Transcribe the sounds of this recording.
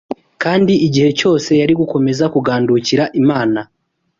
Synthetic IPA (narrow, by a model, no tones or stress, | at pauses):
kaːndiiɟihe̞co̞ːse̞jaɾiɡuko̞me̞zakuɡaːnduciɾaʔimaːna